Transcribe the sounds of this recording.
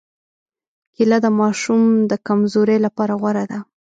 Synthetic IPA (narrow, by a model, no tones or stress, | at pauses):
kilad̪əmɑʃumd̪əkamzoɾelapɑɾaɣwaɾad̪a